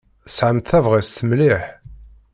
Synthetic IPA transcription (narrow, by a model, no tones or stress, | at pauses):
sʕəmt̪θævʁist̪əmliħ